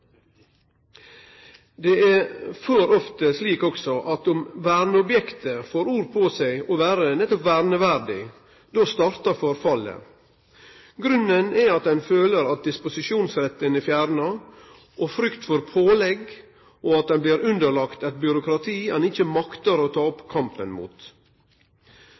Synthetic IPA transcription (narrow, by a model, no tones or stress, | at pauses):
d̪eæføːɾɔft̪əsliːkɔksɔʔɑt̪ʊmʋæːɾnəɔbjɛkt̪əfoːɾuːɾpʰoːsæɪoːʋæːɾənɛt̪ːɔpʋæːɾnəʋæɾɖɪ | d̪oːst̪ɑːɾt̪ɑfɔɾfɑlə̰ | ɡɾʉnːənɛɑt̪̚d̪ɛnføːləɾɑt̪̚d̪ɪspʊsɪʂuːnsɾɛt̪ːənəfjæːɾnə | ʔɔfɾʏkt̪fɔɾpʰoːlɛɡ | ʔoːɑt̪̚d̪ɛnblɪːɾʉnd̪əɭɑkt̪ɛt̪̚bjʏɾʊkɾɑt̪ʰiːɛnɪçəmɑkt̪əɾoːt̪ʰɑːɔpkʰɑmpə̰nmṵːt̪